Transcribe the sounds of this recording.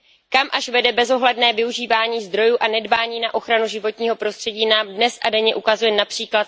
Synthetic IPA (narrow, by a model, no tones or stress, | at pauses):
kamʔaʃvɛdɛbɛzo̞ɦlɛdnɛːvɪuʒiːvaːɲiːzd̪ɾo̞juːʔanɛdbaːɲiːnaʔo̞xɾanuʒɪvo̞t̪ɲiːɦo̞pɾo̞st̪r̝̥ɛɟiːnaːmdnɛsʔadɛɲɛʔukazujɛnapr̥iːklat̪̚